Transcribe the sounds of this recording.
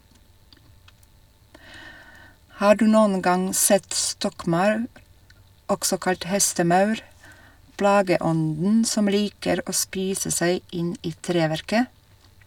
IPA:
ˈhɑː ˈɖʉː ˈnuːn ˈɡɑŋ ˈsɛt ˈstɔkˌmɑʉɾ ˈɔɡsɔ ˈkɑʎc ˈhɛstəˌmɑʉɾ ˈplɑːɡəˌɔndn̩ ˈsɔm ˈliːkəɾ ˈoː ˈspiːsə ˈsæɪ ˈɪn ˈiː ˈtɾeːʋæɾkə

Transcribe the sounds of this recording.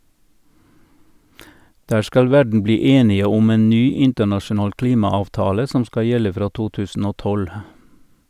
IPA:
ˈdæː ˈskɑl ˈʋæɖɳ̩ ˈbliː ˈeːnɪə ˈʊm ˈeːn ˈnyː ˈɪntəɳɑʃʊˌnɑːl ˈkliːmɑɑʋˌtɑːlə ˈsɔm ˈskɑ ˈjɛlə ˈfɾɑː ˈtuː ˈtʉːsn̩ ˈoː ˈtɔl

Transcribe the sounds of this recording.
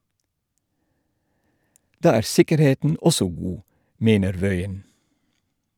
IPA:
ˈdɑː ˈæːɾ ˈsɪkəɾˌheːtn̩ ˈɔsɔ ˈɡuː ˈmeːnəɾ ˈʋœʏən

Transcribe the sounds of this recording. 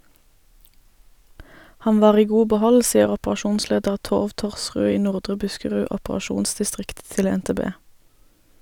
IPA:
ˈhɑn ˈʋɑːʁ ˈiː ˈɡuː bəˈhɔl ˈsiːəʁ ɔpʁɑˈʃuːnˌsleːdəʁ ˈtoːʋ ˈtɔʁsʁʉː ˈiː ˈnʊʁdʁə ˈbʉskəʁʉː ɔpʁɑˈʃuːnsdɪˌstʁɪkt ˈtɪl ɛnteːˈbeː

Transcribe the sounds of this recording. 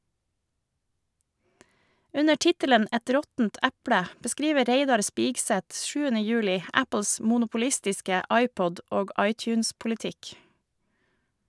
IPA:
ˈʉnə ˈʈɪtələn ˈʔɛt ˈɾɔtn̩t ˈʔæpɽə bəˈskɾiːʋə ˈɾeɪdɑɾ ˈspiːɡsɛt ˈʃʉːənə ˈjʉːlɪ ˈæpl̩s mʊnʊpʊˈlɪstɪskə ˈʔɑɪˌpɔd ˈʔoːɡ ˈʔɑɪˌtjʉːnspʊlɪˌtɪk

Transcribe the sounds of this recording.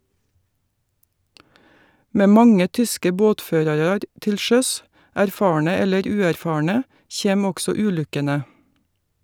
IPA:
ˈmeː ˈmɑŋə ˈtʏskə ˈboːtˌføːɾɑɾɑɾ ˈtɪl ˈʃœs æɾˈfɑːɳə ˈɛləɾ ˈʉːæɾˌfɑːɳə ˈçeːm ˈɔɡsɔ ˈʉːˌlʉkənə

